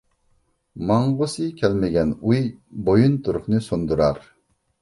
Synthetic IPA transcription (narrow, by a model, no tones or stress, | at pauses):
mɑɴʁʊsɨkʲʰɛlmɪɡʲɛnujbojunt̪ʰuɾʊχnɨsond̪uɾɑɾ